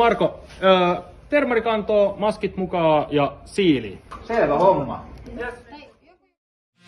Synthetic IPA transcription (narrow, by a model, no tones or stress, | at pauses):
ɑrko | t̪e̞rmɑɾikɑnt̪oːmɑskit̪mukɑjɑsiːlḭseːlælomːɑ̰